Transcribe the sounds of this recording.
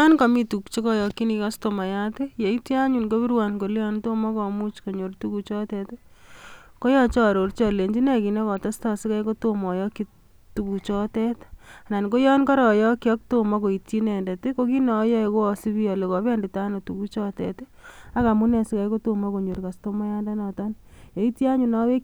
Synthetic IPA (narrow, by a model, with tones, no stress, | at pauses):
a˦nka˨mi˦tu˨kt͡ʃe˦kɔ˦jɔ˧kːi˦ni˨ka˦sto˨ma˨ja˦te˦je˨i˦tji˦a˦ɲu˨nko˦bi˦ɾwanko˨lɔ˦nto˦mɔ˦kɔ˨mu˦t͡ʃko˨ɲo˨rtu˦ku˨t͡ʃɔ˦tɛt | ko˦jɔ˦t͡ʃɔ˦ɾo˨ɾt͡ʃɔle˨ɲd͡ʒi˦nɛ˦ki˨nɔ˦kɔ˨ta˦sta˦sɪ˦ka˦jko˦to˦mɔ˨jɔ˦kːi˦ | tu˨ku˨t͡ʃɔ˦tɛ˦ta˨na˨nko˦jɔ˦nkɔ˦ɾɔ˨jɔ˦kjɔ˦k̚to˦mɔ˦ko˨i˨tji˦nɛ˨nde˨ti˦ko˦ki˦nɔ˨˦jɛ˦iko˦ɔ˨si˦bi˦jɔ˨le˨kɔ˨pɛ˦ndi˨ta˦no˨tu˨ku˦t͡ʃɔ˦tɛ̰˨t | a˦ka˨mu˦nɛ˨si˦ka˦jko˦to˦mɔ˦ko˨ɲo˨ɾka˨sto˦ma˦ja˦nda˦nɔ˨tɔ˦nje˨i˦tji˦a˦ɲu˨nɔ˦we˦